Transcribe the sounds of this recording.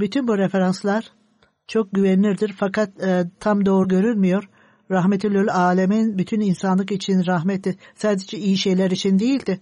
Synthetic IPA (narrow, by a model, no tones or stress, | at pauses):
byt̪ʰynbuɾefe̞ɾanslˠaɾ̥ | t͡ʃʰo̞k̚ɟyvɛnlʲiɾd̪iɾfakʰat̪ːt̪ʰːamd̪o̞ːɾuɟø̞ɾynmijo̞ɾ̥ | ɾaɦmet̪ʰilʲølʲaːlʲeminbyt̪ʰyninsanlˠɯkit͡ʃʰinɾaɦmɛt̪ːisaːd̪ed͡ʒɛijiʃe̞jlʲæɾit͡ʃʰind̪e̞jilʲd̪ɪ